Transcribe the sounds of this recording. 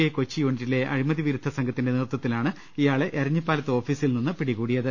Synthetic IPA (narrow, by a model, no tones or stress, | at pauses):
ekot͡ɕːijuːɳitːile̞ʔɐ̰ɻimɐðiʋiɾud̪ʱɐsɐŋɡʱɐt̪ːinde̞nirt̪ːɐt̪ːilaːɳɨ | ijaːɭeʔɐɾɐɲːipːaːlɐt̪ːɨo̞ːfiːsilninːɨpiɽiɣuːɽijɐðɨ